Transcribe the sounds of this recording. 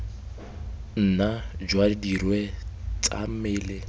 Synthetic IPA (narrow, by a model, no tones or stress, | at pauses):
n̩nad͡ʒwadidirwet͡sʼa̰mɪːlɪ